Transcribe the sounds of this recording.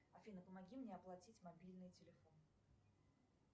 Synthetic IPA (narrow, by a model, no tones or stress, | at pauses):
ɐfʲinəpəmɐɡʲimnʲeɐplˠɐtʲitʲmɐbʲilʲnɨjtʲɪlʲɪfo̞n